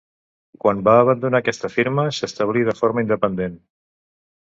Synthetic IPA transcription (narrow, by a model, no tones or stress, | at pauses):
kwanbaːβ̞ənd̪unakɛst̪əfiɾməsəst̪əβ̞lið̞əfoɾməind̪əpənd̪en